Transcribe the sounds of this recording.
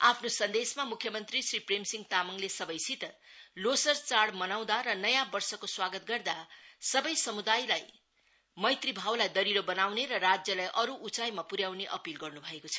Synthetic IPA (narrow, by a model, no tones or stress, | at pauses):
apʰnosʌnd̪esmamukʰjʌmʌnt̪risripremsiŋt̪amʌŋlesʌbʌjsit̪ʌlosʌrt͡saɽmʌnaw̃d̪aɾʌnʌjãbʌrsʌkoswaɡʌt̪̚ɡʌrd̪asʌbʌjsʌmud̪ajlaj | mʌjt̪ribʱawlajd̪ʌɾiɾobʌnawneɾʌrad͡zjʌlajʔʌɾuʔːt͡sajmapuɾjawneʔʌpilɡʌrnubʱʌekot͡sʰʌ̥